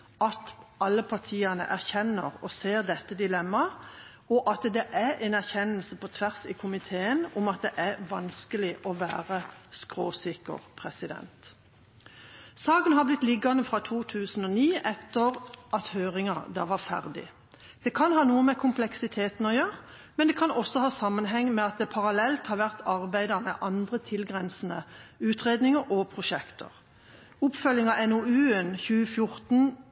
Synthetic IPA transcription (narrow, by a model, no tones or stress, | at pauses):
ɑt̪ɑlːəpʰɑʁt̪ʰiːɑnə̰ʔæʁçɛnːəʁɔseːʁd̪ɛt̪ːəd̪ɪlɛmːɑ | ɔʔɑt̪d̪ɛʔæʔɛnæʁçɛnːəl̩səpʰɔt̪ʰʋæʁsɪkʰʊmɪt̪ʰeːənʊmɑt̪̚d̪ɛʔæɾʋɑnskəlɪʔɔʋæ̰ːʁəskʁoːsɪkːə̰ʁpʰʁɛsɪd̪ɛ̰nt̪ | sɑːkənhɑblɪt̪lɪɡɑnəfʁɑt̪ʰuːt̪ʰʉːsn̩ɔniːʔɛt̪ːəʁʔɑt̪høːʁɪŋɑd̪æːʋɑʁfæ̰ʁd̪ɪ̰ | d̪̥ɛkʰɑnɦɑːnuːəmɛkʰʊmplɛksɪt̪ʰeːt̪n̩ɔjøːʁ | mɛnd̪ɛːkʰɑnɔsɔhɑːsɑmːənɦɛŋːmɛɑt̪̚d̪ɛpʰɑʁɑlɛlt̪hɑːɾʋæʁt̪ʰɑʁbæɪd̪əmɛ̰ʔɑnd̪ʁət̪ʰɪlɡʁɛnsnəʉːt̪ʁeːd̪nɪŋəɾʔɔpʰʁʊʃɛkt̪ʰə̰ʁ | ʊpfœljɪŋɑɛnoːʉːənçʉːəfjʊɾt̪n